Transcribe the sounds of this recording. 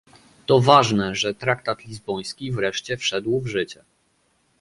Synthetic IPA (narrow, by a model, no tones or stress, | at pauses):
t̪ɔvaʐnɛʐɛt̪ɾakt̪at̪lʲizbɔj̃skʲivɾɛʂt͡ɕɛfʂɛd̪wvʐɘt͡ɕɛ